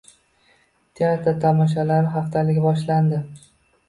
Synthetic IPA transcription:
t̪ʰeaɾt̪ʰat̪ʰamɒʃ̬alaɾɦaft̪ʰalɪɡʲabɒʃland̪ɪ

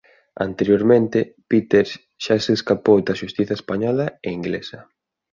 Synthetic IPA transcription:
ɐ̰nt̪eɾjoɾmẽnt̪ɪpit̪eɾs | ʃaseskapowd̪ɐʃust̪iθɐespaɲɔlɐeiŋɡlesɐ

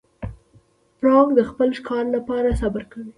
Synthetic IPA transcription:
pɾɑkd̪əxpəlʃkɑɾlapɑɾasabaɾkawi

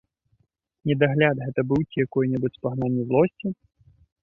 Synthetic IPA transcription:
nʲɛd̪aɣlʲad̪ɣɛt̪ɐbɨwt͡sʲijakɔjnʲɛbɨt͡sʲspaɣnanʲːizlˠɔsʲt͡sʲi

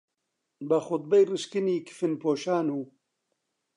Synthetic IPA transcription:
bɐxʊt̪̚bɛjrɨʃkɨniːkʰɨ̥fɨnpʰoːʃaːnuː

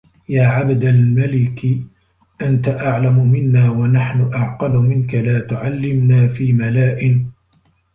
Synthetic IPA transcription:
jaːʕabd̪almalɪk | ʔant̪aʔaʕlamʊmɪnːaːwanaħnʊʔaʕqɑlʊmɪnkalaːt̪ʊʕalːɪmnaːfiːmalaːʔɪn

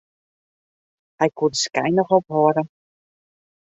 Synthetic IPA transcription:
hɛjkudəskɛjnɔχɔpɦoəɾə

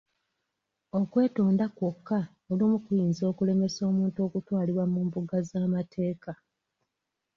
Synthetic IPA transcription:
o̞kwe̞ːtoːndakwokːa | olimukujiːnzo̞ːkule̞me̞so̞ːmuːnto̞ːkutwaːliβwamuːmbuɡazaːmatʰe̞ːka

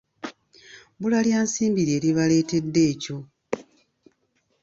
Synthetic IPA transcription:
bulaljaːnsiːmbiɾe̞ːɾiβale̞ːte̞dːe̞ːco̞

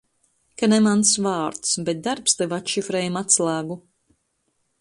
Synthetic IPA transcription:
kanɛmansvɑːɾt̪sbɛt̪̚d̪aɾpst̪ɛvat̪ʃifɾɛjumat̪slˠaːɡu

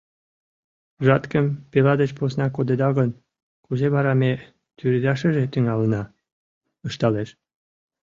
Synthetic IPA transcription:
ʒɑt̪kə̆mpelɑd̪et͡ɕposnɑkod̪ed̪ɑɣə̆n | kuzeβɑɾɑme | t̪yɾed̪ɑʃə̆ʒet̪yŋɑlənɑ | əʃt̪ɑleʃ

